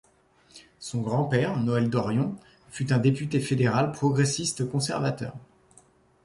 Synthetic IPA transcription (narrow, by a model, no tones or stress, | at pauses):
sɔ̃ɡʁɑ̃pɛʁnɔɛld̪ɔʁjɔ̃ | fyt̪ɛ̃d̪epyt̪efed̪eʁalpχɔɡʁesist̪kɔ̃sɛʁvat̪œ̰ːʁ